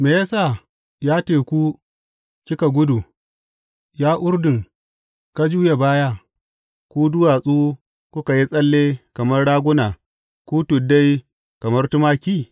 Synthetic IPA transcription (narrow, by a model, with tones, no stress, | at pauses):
meː˨ja˦saː˦˨ | jaː˦teː˨kʷu˦ | kʲɪ˦ka˨ɡʷʊ˦du˨ | jaː˦ʔʊ˦ɾdɪ˨ŋ | ka˦d͡ʒuː˦je˨baː˦jaː˦ | kʷu˦dʊ˦waː˨sʼuː˦ | kʷʊ˦ka˨ji˦sʼɐ˦lːeː˦kɐ˨mɐ˦rɽaː˦ɡʷʊ˦naː˨ | kʷuː˦tʊ˨da˦j | kɐ˨mɐ˦rtʊ˦maː˦kʲiː˦˨